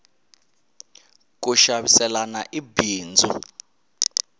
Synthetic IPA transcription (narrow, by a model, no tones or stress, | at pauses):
k̬uʃaɓisɛlanaʔibiːnd͡zʱṵ